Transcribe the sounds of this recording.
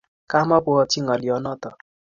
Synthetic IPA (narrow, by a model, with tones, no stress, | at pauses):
ka˦mɔ˦pu˦ɔ˦t͡ʃi˦ŋɔ˨li˨ɔ˨˦nɔ˦t̪ɔ˨